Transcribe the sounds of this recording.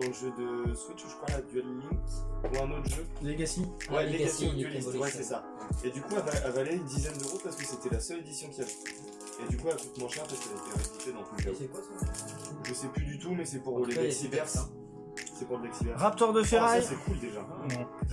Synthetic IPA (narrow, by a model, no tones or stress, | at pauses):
d̪ɑ̃ləʒød̪əswɛt͡ʃuʒə̥kʰwalad̪yɛlːĩŋkuʁɛ̃not̪χʒøleɡasiwɛleɡɡasĩɛliswɛsɛsa | ed̪ykuavaavalɛynd̪izɛnd̪øʁopaʁsə̥kəset̪ɛlasœled̪isjɔ̃kʲiavɛ | ed̪ykuɛlkut̪mwɛ̃ʃɛʁpaskɛlet̪ɛʁepit̪ed̪ɑ̃pɛ̃kɛɛkwas | ʒəsɛplyd̪yt̪umɛsɛpuʁləd̪ɛksivɛʁs | sɛpuʁləd̪ɛksivɛʁʁap̚t̪ɔʁd̪əfeʁajasɛkʰuld̪eʒã